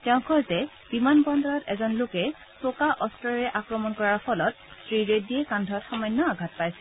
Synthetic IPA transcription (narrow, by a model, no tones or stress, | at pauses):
tɛʊ̃kʰɔjzɛ | b̥imanbɔndɔɹɔtɛzɔnlʊkɛ | sokaʔɔstɔɹɹɛʔakɹɔmɔnkɔɹaɹpʰɔlɔt̚ | sɹiɹediɛkandʱɔtxɔmɔjnːɔaɡʱat̚pajsɛ